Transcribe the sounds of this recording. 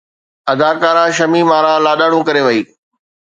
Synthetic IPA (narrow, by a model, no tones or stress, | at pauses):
ɐd̪aːkaːɾãːʃɐmimaːɾãːlaːɗaːɽ̃ũkɐɾeʋɐiː